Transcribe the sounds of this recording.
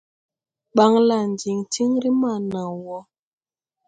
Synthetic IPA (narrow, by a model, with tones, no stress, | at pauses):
ɓa˦ŋla˨n˨d͡ʒi˨ŋti˦ŋɾi˦ma˦˨na˨wɔ˦